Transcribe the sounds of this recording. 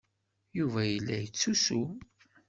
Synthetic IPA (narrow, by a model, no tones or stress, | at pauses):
juvæjəlːæjət͡sːusu